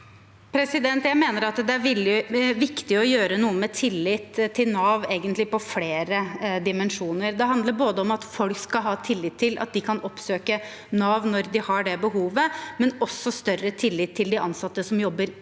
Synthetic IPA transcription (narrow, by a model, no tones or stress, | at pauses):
pʰɾɛsɪd̪ɛnt̪jæɪmeːnəɾɑt̪d̪ɛæɾʋɪlːɪʋɪkt̪ɪɔjøːɾənuːəmɛt̪ʰɪlːɪt̪ʰːɪlnɑːʋeːɡənt̪lɪpɔfleːɾəd̪ɪmɛnʂuːnəɾd̪ɛɦɑnd̪ləɾboːd̪əɔmɑt̪fɔlkskɑlɦɑːt̪ʰɪlːɪt̪ʰːɪlʔɑ̰t̪̚d̪ɪkʰɑnɔpsøːkə | nɑːʋnɔɾd̪ɪhɑɖɛbəɦuːʋəmɛnɔsːɔst̪œrət̪ʰɪlːɪt̪ʰːɪld̪ɪʔɑnsɑt̪ːəsɔmjɔbːəɾ